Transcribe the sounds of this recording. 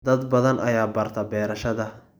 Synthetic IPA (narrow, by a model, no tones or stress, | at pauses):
d̪ɐd̪bɐðɐnʔɐjaːbɐrt̪ʰɐbɛːɾɐʃɐðɐ